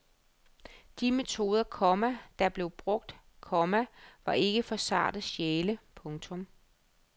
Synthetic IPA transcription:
d̥ime̝t͡sʰo̝ːð̞ˠɐkʰɒmæd̥ɑ̈b̥le̝ʊb̥ʁɔ̽ɡ̥̚d̥ | kʰɒ̽mæʋɑ̈ʔe̝ɡ̥əfɒ̽sɑ̰̈ːd̥ð̩ɕeːləpʰɔ̽ŋt͡sʰɔ̽m

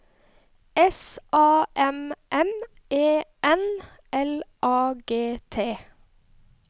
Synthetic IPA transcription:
ɛsʔɑːʔɛmʔɛm | eːʔɛn | ʔɛlʔɑːɡeːt̪ʰeː

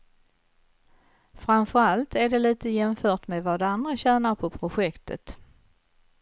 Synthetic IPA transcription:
fɾamfœɾalt̪ʰæɖɛliːt̪əjɛmfœːʈmɛvad̪and̪ɾaɕæːnaɾpʰɔpʰɾʊɧɛkt̪ə̰t̪

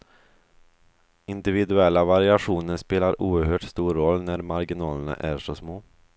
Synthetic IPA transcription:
ɪnd̪ɪvɪd̪ɵɛlːavaɾɪaɧuːnəɾʂpeːlaɾuːəɾhøːʈst̪uːɾːɔlːnæɾmaɾɡɪnɑːləna̰ʔæʂɔsmoː

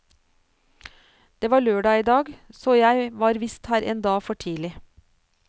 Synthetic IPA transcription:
d̪̥eːʋɑːɭøːɖɑːiːd̪ɑːɡsɔːjæɪʋɑːɾʋɪst̪hæːɾʔeːnd̪ɑːfɔʈʰiːlɪ

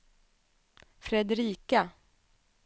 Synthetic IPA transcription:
fɾɛd̪ɾiːka

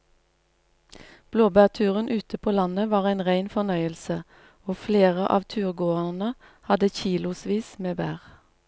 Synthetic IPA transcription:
b̥loːbæːʁt̪ʰʉːʁənʔʉːt̪əpʰoːlɑnəʋɑːʁæɪnʁæɪnfɔnœʏəlsə | oːfleːʁəʔɑ̰ːʋt̪ʰʉːʁɡoːəʁnə | hɑd̪əçiːlʊsʋiːsmeːbæːʁ

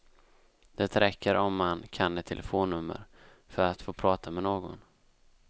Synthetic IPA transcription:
d̪̥ɛt̪ɾɛkːəɾʔɔmːankʰanːɛt̪ʰɛləfoːnːɵmːə̰ɾ | fœɾat̪foːpʰɾɑːt̪ʰamɛnoːɡɔ̰n

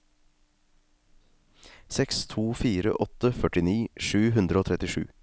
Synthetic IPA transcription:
sɛkst̪ʰuːfiːɾə̰ʔɔt̪əfœʈɪniːʃʉːɦʉnd̪ɾəoːt̪ʰɾɛt̪ɪʃʉ̰ː

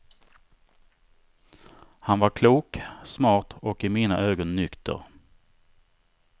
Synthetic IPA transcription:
hanvaɾkʰluːksmɑːʈɔkɪmiːna̰ʔøːɡɔnːʏkt̪ʰə̰ɾ

